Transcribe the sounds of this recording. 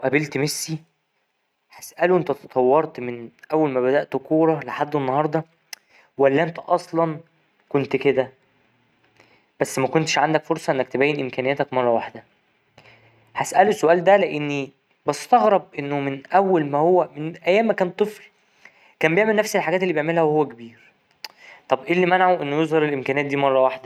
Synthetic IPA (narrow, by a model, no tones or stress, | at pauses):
wʔæbelt̪mesːi | ħæsʔæluʔent̪æt̪ɑt̪ˤʰɑwːɑɾˤt̪menʔæwːælmæbæd̪æʔt̪koːɾˤɑleħad̪ːenːɑhɑɾˤd̪ˤɑ | wælːæʔent̪æʔɑsˤlɑn | kont̪ked̪æ | b̥æsːmækont̪eʃʕand̪ækfoɾsˤɑʔenːækt̪ebæːjːenʔemkæːnejːæt̪ækmɑrˤːɑwaħd̪æ | hæsʔælosːoʔæːld̪æleʔenːi | bɑst̪ɑɣɾɑb̚ʔenːomenʔæwːælmæhowːæmenʔæjːæːmːækæːnt̪ˤefl | kæːmbejeʕmelnæfsilħaɡæːt̪elːiːbjeʕmelhæwehowːækebiːɾ | t̪ˤɑbʔelːimænaʕoʔenːojezˤhɑɾelʔemkæneæt̪̚d̪iːmɑrˤːɑwaħd̪æ